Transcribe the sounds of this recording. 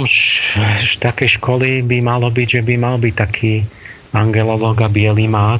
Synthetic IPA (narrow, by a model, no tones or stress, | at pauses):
ʃʃt̪akɛjʃkɔlibimalɔbiɟʒɛbimalbic̚t̪akʰiː | aŋɡɛlɔlɔːɡabɪɛlimaː